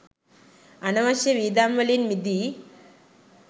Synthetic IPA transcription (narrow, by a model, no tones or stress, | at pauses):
ɐnɐʋɐʃjɐʋiːd̪aːmʋɐlinmid̪ʱi